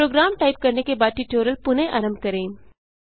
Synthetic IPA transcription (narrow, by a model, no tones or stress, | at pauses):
ɾoːɡɾaːmʈaːɪp̚kɐɾnekebaːd̪̚ʈiʈoːɾəlpʊnẽʔaɾəmkɐɾẽː